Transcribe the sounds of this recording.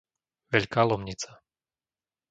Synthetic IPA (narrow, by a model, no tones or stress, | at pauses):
ʋɛʎkaːlɔmɲit͡sa